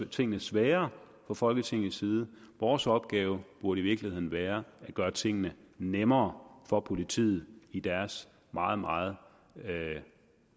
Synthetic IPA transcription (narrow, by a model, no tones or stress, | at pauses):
t͡sʰe̝ŋ̰nəsʋɛːɐ | fɒ̽fɒ̽lɡ̥ət͡sʰe̝ŋ̰n̩siːð̞ˠəʋɒːsɒ̽b̥̚ɡ̥ɛːʊb̥uɐɾəiʋiɐɡ̥lihe̝ð̰ˠn̩ʋæːɐæɡ̥ɶːɐt͡sʰe̝ŋ̰nənemɐːfɒ̽pʰo̝lit͡sʰḭːð̩ˠid̥æɐs | mɑ̈ːð̞̩ˠmɑ̈ːð̞̩ˠ